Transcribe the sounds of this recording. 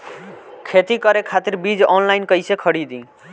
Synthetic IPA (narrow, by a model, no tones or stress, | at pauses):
kʰet̪ikʌɾekʰat̪iɾbid͡ʒɔnlajnkʌjsekʰʌɽid̪ĩ